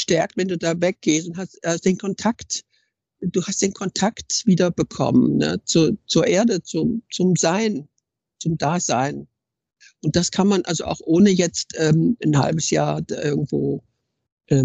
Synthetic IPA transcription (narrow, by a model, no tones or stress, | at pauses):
ʃtɛɐk̚tvɛnduːdaːvɛk̚ɡ̥eːstʊnthastʔalzod̥eːnkʰɔntʰakt | d̥uːhastd̥eːnkʰɔntʰaktv̥iːdɐbəkʰɔ̰mənnə̰t͡suːɐt͡suːɐʔeːɐdət͡sʊmt͡sʊmzaɪn | t͡sʊmd̥aːzaɪn | ʔʊnt̚d̥askʰanmanʔalzoʔa̰ʊxʔoːnəjɛt͡stʔɛːmnha̰lbəsja̰ːɐd̥aʔɪɐɡŋ̩tv̥oː | ʔɛː